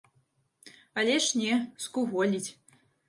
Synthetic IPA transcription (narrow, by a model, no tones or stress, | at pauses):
alʲɛʂnʲɛskuɣɔlʲit͡sʲ